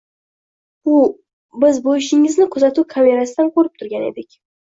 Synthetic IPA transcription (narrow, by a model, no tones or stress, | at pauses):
ʊ | bɪzbojɪʃɪŋɪznɪkʰʊzat̪ʰukʰamʲe̞ɾasɪd̪ankʰoɾɪp̚t̪ʰʊɾɡʲanḛd̪ɪkʲ